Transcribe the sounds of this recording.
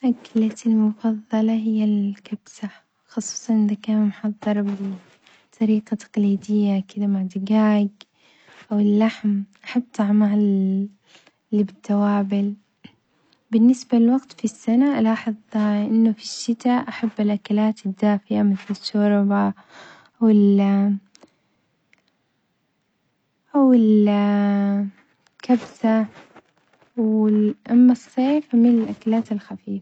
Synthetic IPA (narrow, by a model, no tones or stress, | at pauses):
ʔaklat̪almʊfɑðˤːɑlɑɦɪjːalkabsa | xɑsˤu̥ːsˤɑnʔd̪akaːnmħɑðˤːɨɾˤbɪ | t̪ˤʰɑɾiːqɑt̪ḁqliːd̪ɪjːakɪd̪amaʕd̪ɪɡaːɡ | ʔawɪlːaħmʔaħabːt̪ˤɑʕmaʕ | libɪt̪ːawaːbɪl | bɪnːɪsbalɪlwaɡt̪fisːanaʔlɑːħɨðˤʔɪnːʊfiʃːɪt̪aʔaħabːɪlʔakalaːt̪ɪd̪ːaːfɪʔamɪθlɪʃːʊɾˤba | wɪl | ʔawɪl | kabsa | wɪʔamːɑsˤːeːfmɪnɪlʔakalaːt̪ɪlxafiːfḁ